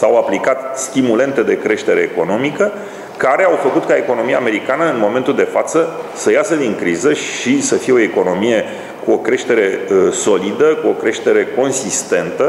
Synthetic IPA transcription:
sawaplikat̪st̪imule̞nt̪e̞d̪e̞kɾe̞ʃt̪e̞ɾe̞ːko̞no̞mikə | kaɾe̞awfəkut̪kae̞ko̞no̞mijaːme̞ɾikanəɨnmo̞me̞nt̪uld̪e̞fat̪səsəjasəd̪iŋkɾizəʃisəfijeoeko̞no̞mije̞ | kuo̞kɾe̞ʃt̪e̞ɾe̞so̞lid̪əkuo̞kɾe̞ʃt̪e̞ɾe̞ko̞nsist̪e̞nt̪ə

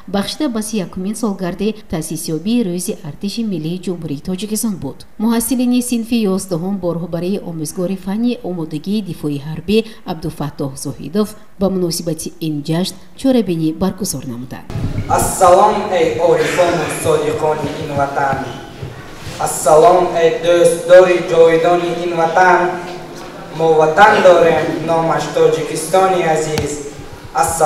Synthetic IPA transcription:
baχʃid̪abasijakʰːuminsɔlɡaɾd̪it̪ʰasisjɔbiːɾuziʔaɾt̪iʃimilːiːd͡ʒumhuɾiːt̪ʰɔd͡ʒikist̪ɔnbud̪̥ | muɦasːilinisinfijɔzd̪aɦumbɔɾɔhbaɾiːʔɔmuzɡɔɾifanːiʔɔmɔd̪aɡiːd̪ifɔiɦaɾbi | ab̚d̪ufat̪ːɔhz̥ɔhḭd̪of | bamunɔsibat̪ʰiind͡ʒaʃn | t͡ʃʰɔɾabinibaɾɡuzɔɾnamud̪a̰nd̪̥ʔasːalɔmejʔɔɾifɔnusɔd̪iqʰɔniʔinvat̪ʰan | asːalɔmejd̪øst̪d̪ɔɾid͡ʒɔid̪ɔniʔinvat̪an | mɔvat̪and̪ɔɾemnɔmaʃt̪ʰɔd͡ʒikʰist̪ɔniaziz | as

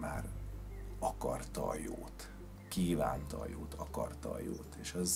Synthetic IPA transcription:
maːr | ɒkɒrt̪ɒːjoːt̪ | kiːvaːnt̪ɒːjoːt̪ʰɒkɒrt̪ɒːjoːt̪eːʃɒz

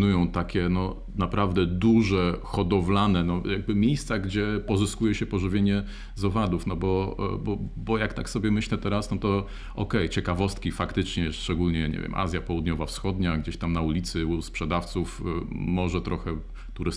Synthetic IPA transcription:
nujɔ̃w̃t̪akʲɛnɔ | napɾavd̪ɛd̪uʐɛxɔd̪ɔvlanɛnɔjaɡ̚bɘmʲejst̪saɡd͡ʑɛpɔʐɨskujɛɕɛpɔʐɘvʲjeɲɛ | zɔvad̪ufnɔbɔbɔbɔjakt̪aksɔbʲjɛmɘɕlɛt̪ɛɾasnɔt̪ɔ | ʔɔkɛjt͡ɕɛkavɔst̪̚kʲifakt̪ɘt͡ʂɲɛʂt͡ʂɛɡulɲɛɲɛ̰vʲjɛ̰mʔa̰zʲjapɔwud̪ɲɔvafsxɔd̪ɲaɡd͡ʑeɕt̪amnaulʲit̪sɘspʂɛd̪aft̪sufmɔʐɛt̪ɾɔxɛ | t̪uɾɘ

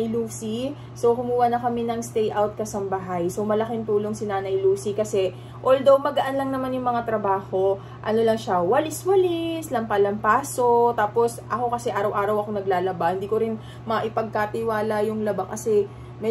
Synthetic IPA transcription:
jluːsi | so̞wkʊmuːwɐnɐkɐmɛnɐŋst̪ɛjʔawt̪̚kɐsɐmbɐɦajso̞wmɐlɐkɪŋt̪uːlo̞ŋsinaːnɐjluːsikɐsɛ | ʔold̪owmɐɡɐʔanlɐŋnɐmanjʊŋmɐŋat̪ɾɐbaːho̞ | ʔɐno̞lɐŋʃɐwɐlɪswɐlɪslɐmpalɐmpaːso̞t̪aːpo̞sʔɐko̞kɐsɛʔaːɾɐwʔaːɾɐwɐko̞nɐɡlaːlɐbahɪnd̪iːko̞ɾɪn | mɐʔɪpɐɡ̚kat̪ɪwaːlɐjʊŋlɐbakɐsɛ | mɛ

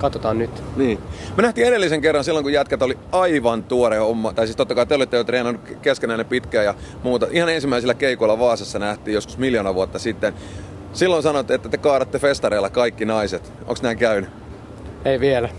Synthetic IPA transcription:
kɑt̪ot̪ɑːnnyt̪niːmyønæht̪iːeɾelːiseŋkerːɑnsilːoŋkujæt̪kæt̪oli | ɑiʋɑnt̪uoɾeomːɑːt̪ɑisiːst̪ot̪ːɑkɑit̪eolit̪ːeot̪rehnɑnːukkeskenæinempit̪kæːjɑmuːt̪ɑʔihɑnensimːˑæisilːˑækeikoilɑʋɑːsesːɑnæht̪iːjosku̥smiljonɑʋuot̪ːɑsit̪ːen | silːonsɑnot̪ːeet̪ːæt̪ekɑːɾɑt̪ːefest̪ɑɾeilːɑkɑikːinɑiset̪ | o̰ŋksnæːkæyny | eiʋielæ

